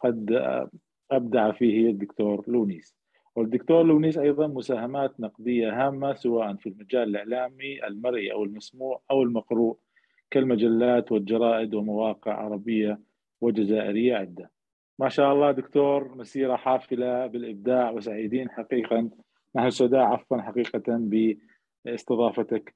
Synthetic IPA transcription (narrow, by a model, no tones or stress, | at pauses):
qɑd̪ | ʔab̚d̪aʕfiːhɪad̪ːʊkt̪oːɾluːniːs | wɪd̪ːʊkt̪oːɾˤluːniːsʔɑjðˤɑnmʊsaːhamaːt̪nɑqd̪ɪjːaɦaːmːasɪwaːʔanfilmad͡ʒaːlɪlɪʕlaːmiʔa̰lmɑɾʔiʔa̰wɪlmasmuːʕʔawɪlmɑqɾuːʔ | kalmad͡ʒalːaːt̪wɪld͡ʒɑɾˤɑːʔɪd̪wɪmawɑːqɪʕʕɑ̰ɾˤɑbɪjːa | wɪd͡ʒazaːʔɪ̰ɾɪjːaʕɪd̪ːa | maʃaːʔɑlˤːɑːd̪ʊkt̪oːɾˤmasiːɾaħaːfɪlabɪlʔɪb̚d̪aːʕwɪsaʕiːd̪iːnħaqiːqan | naħnʊsʊd̪aːʔʕɑfwɑnħaqiːqaanbɪ | ɪst̪ɨðˤɑːfat̪ak